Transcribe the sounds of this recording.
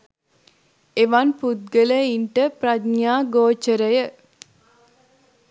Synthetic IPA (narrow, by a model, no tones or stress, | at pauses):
eʋɐnpud̪̚ɡələiɳʈəpɾɐd̪ɲaːɡoːt͡ʃəɾəjə